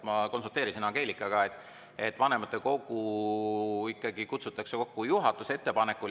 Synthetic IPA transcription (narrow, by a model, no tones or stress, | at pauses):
mɑko̞nsult̪e̞ːɾisinɑke̞ːlikːˑɑɡ̥ɑet̪ːˑ | et̪ːˑvɑne̞mɑt̪ːˑe̞ko̞ɡ̥u | ikːˑɑɡikut̪sut̪ːˑɑkseko̞kːujuɦɑt̪ːˑuse̞t̪ːe̞pɑne̞kːˑu